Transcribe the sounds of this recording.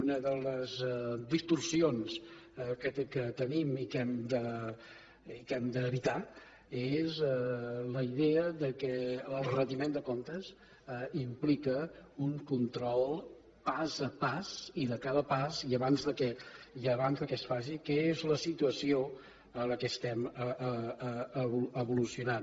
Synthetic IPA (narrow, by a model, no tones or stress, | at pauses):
unəðələzd̪ist̪ursionskət̪kət̪ənimikɛmd̪ə | ikɛmd̪əːβit̪a | ezɛləiðeəðəkɛəlˠrənd̪imẽnd̪əkont̪əz | implikəuŋkunt̪ɾɔlˠ | pazəpaz̥iðəkaðəpaziəβanzðəkɛiəβanzðəkɛsfaʃikɛezləsit̪uəsio | ələkɛst̪ɛməəəβuəβulusiunan